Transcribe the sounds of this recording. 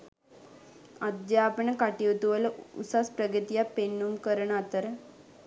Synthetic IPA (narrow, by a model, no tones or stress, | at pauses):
ad̪jaːpəɳəkaʈiʋt̪uʋələṵsaspɾəɡət̪ijapenːumkəɾəɳat̪əɾə